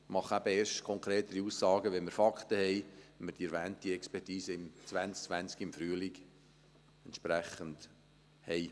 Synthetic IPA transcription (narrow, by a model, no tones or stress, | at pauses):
mɑχæbəeːɾʃtkʰɔŋkʰɾeːt̪əɾiusːɑːɡəʋɛnmɪɾfɑkχt̪əhɛɪmɪɾd̥iɛɾʋæːntiɛkspɛrtiːsəɪmt͡sʋænsk̚t͡sʋænt͡skiɪmfɾyəliɡ | ɛntʃpɾæχənd̥ | hɛɪ